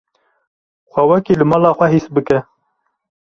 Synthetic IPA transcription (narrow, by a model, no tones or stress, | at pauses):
xʷæwɛkiːlɨmɑːlɑːxʷɛɦisbɨkɛ